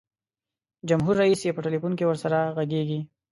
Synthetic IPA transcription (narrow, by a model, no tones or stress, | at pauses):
d͡ʒamɦuɾːaisjepəʈelipunkewəɾsaɾaɣaɡeɡi